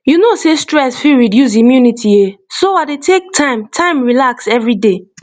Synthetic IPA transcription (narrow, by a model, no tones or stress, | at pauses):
junosestɹɛsfiɹidjus̬imjunitʰiesoadetʰek̚tʰãɪ̃mtʰãɪ̃mɹilaksɛvɹide